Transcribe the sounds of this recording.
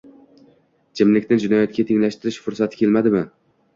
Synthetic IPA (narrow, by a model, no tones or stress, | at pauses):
d͡ʒʰɪmlɪkʲnɪd͡ʒʊnɒjat̪kʲat̪ʰeŋlaʃt̪ɪɾɪʃfʊɾsat̪ʰɪ̥kʲʰelmad̪ɪmɪ